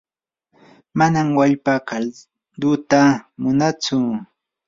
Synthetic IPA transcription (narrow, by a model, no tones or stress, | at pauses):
manamwaʎpaka | d̪ʊt̪amʊnat͡sʊ